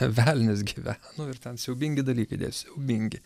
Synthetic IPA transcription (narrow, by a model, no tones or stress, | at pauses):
ʋʲælʲnʲɪs̬ɡʲiːʋʲænʊɪrt̪ʲɛnsʲɛʊbʲɪŋʲɡʲɪd̪ɐlʲiːkɐɪd̪ʲḛjʊsʲɛʊbʲɪŋʲɡʲɪ